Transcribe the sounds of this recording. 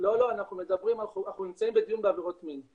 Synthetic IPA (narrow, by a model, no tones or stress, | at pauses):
lo̞lo̞anaχnumedabʁimalnaχnunimt͡saimbed̪ijunbeaveʁo̞tmin